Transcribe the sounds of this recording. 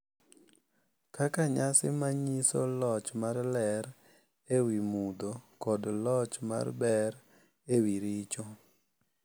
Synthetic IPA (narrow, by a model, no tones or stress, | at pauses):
kakaɲasɪmaɲisolɔt͡ʃmarlɛɾ | ewimud̪okɔdlɔt͡ʃma̰rbɛɾ | ewiɾit͡ʃo